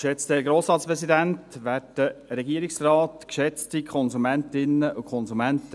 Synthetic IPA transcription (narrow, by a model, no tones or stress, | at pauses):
ʃɛt͡stɛɡɾoːsɾɑːtspɾɛsidæntʋæːdəɾɛɡiəɾɪksrɑːtkʃɛt͡stikʰɔnzumæntɪnəʔukʰɔnsumæntə